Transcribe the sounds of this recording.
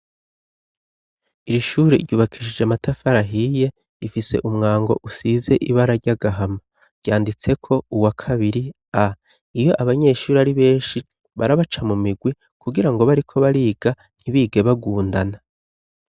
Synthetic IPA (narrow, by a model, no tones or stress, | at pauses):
iɾiʃuːɾeɾɟuːβakʰiʃid͡ʒamatafaɾaɦije̞ | ifise̞̰ʔumŋaːŋɡo̞̰ʔusiːze̞ʔiβaɾaɾɟaɡaɦama | ɾɟ̥aːndit͡se̞kʰo̞uwakʰaβiɾi | a | ijo̞ʔaβaɲe̞ʃuːɾiaɾiβe̞ːnʃi | βaɾaβat͡ʃamumiɡwi | kʰuɡiɾaŋɡo̞βaɾikʰo̞βaɾiːɡ̥a | n̥hiβiːɡe̞βaɡuːndana